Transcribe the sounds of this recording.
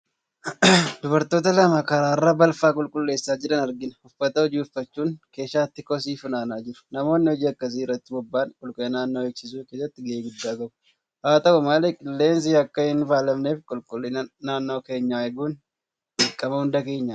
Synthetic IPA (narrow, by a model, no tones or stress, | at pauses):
d̪ʊbɐɾt̪o̞ːt̪ɐlɐmaːkɐɾaːɪrːabɐlfaːkʼʊlkʼʊlːe̞ːsːaːd͡ʒɪᶑɐnɐɾɡɪnhʊfːɐt̪ɐhɔd͡ʒiːʊfːɐt͡ʃːuːnke̞ːʃaːt̪ːɪkɔs̬iːfʊnaːnaːd͡ʒɪɾʊ̥nɐmo̞ːnːɪhɔd͡ʒiːɐkːɐs̬iɪrːɐt̪ːɪbɔbːaːnkʼʊlkʼʊlːnaːnːo̞ːeːksɪs̬uːke̞ːsːɐt̪ːɪɡɐeːɡʊd̪ːaːɡɐbʊ | haːt̪ɐʔʊmaːlekʼɪlːe̞ːns̬ɪɐkːɐhɪnfaːlɐmneːfkʼʊlkʼʊlːɪnnaːnːo̞ːke̞ːɲːaːɛɡuːn | ɪkʼːɐmɐhʊnd̪ɐke̞ːɲːa